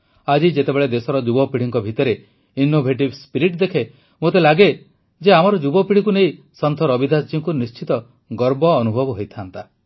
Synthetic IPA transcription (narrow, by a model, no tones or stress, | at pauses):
ad͡ʒid͡ʒet̪ebeɭed̪esɔɾɔd͡ʒubɔpiɽ̤iŋkɔbʱit̪ɔɾe | inobʱeʈ̬ibspiɾiʈd̪ekʰe | mot̪elaɡe | d͡ʒeam̤ɔɾɔd͡ʒubɔpiɽ̤ikunej | sɔnt̪ʰɔɾɔbid̪ʱasd͡ʒiŋkunist͡ʃit̪ɔ | ɡɔɾbɔːnubʱɔbɔɦojt̪ʰant̪a